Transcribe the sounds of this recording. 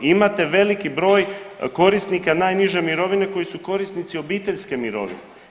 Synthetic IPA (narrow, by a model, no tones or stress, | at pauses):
imat̪e̞ʋe̞likibɾo̞ːjko̞ɾisnikanaːjniʒe̞miɾo̞ʋine̞ko̞jisuko̞ɾist̪nit̪sio̞biːt̪e̞ʎske̞miɾo̞̰ʋḭne